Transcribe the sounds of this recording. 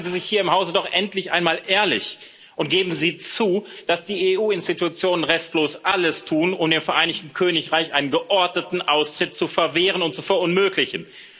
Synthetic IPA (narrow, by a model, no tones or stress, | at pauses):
nziːzɪçhiːɐɪmhaʊzədɔχʔɛntlɪçʔa̰ɪnmaːlʔeːɐlɪ̰ç | ʔʊntɡ̥eːbm̩ziːt͡suːd̥asd̥iːeːʔuːɪnstitut͡sjoːnənʁɛstloːsʔaləstʰuːnʊmdeːmfɛɐʔaɪnɪçtn̩kʰøːnɪçʁaɪçʔaɪnənɡəʔɔɐdnətn̩ʔaʊstʁ̥ɪt̚t͡sufɛɐveːʁənʊnt̚t͡sufɛɐʊnmøːklɪçn̩